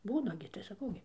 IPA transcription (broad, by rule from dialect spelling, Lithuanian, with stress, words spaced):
ˈbuːnɐ ɡʲɪ tɐɪ sɐˈkɐʊ ɡʲɪ